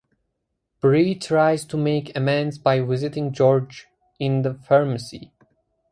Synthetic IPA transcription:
b̥ɹitʰɹaɪz̥tʰumeɪkɛmɛ̃ndzbajwɪzɪtɪ̃ŋd͡ʒɔɹd͡ʒ | ɪ̃nðəfəɹməsḭ

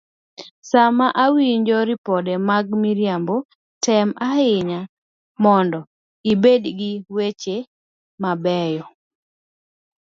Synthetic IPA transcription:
samaʔawiɲd͡ʒɔɾɪpɔdɛmaɡmiɾjambo | tɛmaɪɲa | mɔndɔ | ibedɡɪwet͡ʃe | mabɛjɔ

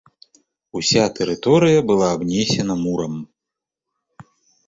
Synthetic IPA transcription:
usʲat̪ɛɾɨt̪ɔɾɨjɐbɨlˠaːbnʲɛsʲɛnɐmuɾɐm

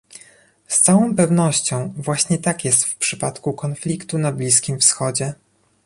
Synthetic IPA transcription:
st̪sawɔ̃w̃pɛvnɔɕt͡ɕɔ̃w̃vwaɕɲɛt̪akʲjɛst̪fpʂɘpat̪kukɔnflʲikt̪unablʲiskʲimfsxɔd͡ʑɛ

